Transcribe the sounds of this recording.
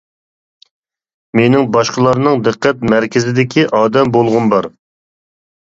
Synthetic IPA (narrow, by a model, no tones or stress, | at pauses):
menɪŋbɑʃqəlˠɑɾnɨŋd̪ɨqːɛt̪̚mæɾkʲɪzɪd̪ɪkʲʰiʔɑːd̪ɛmbolˠʁʊnbɑɾ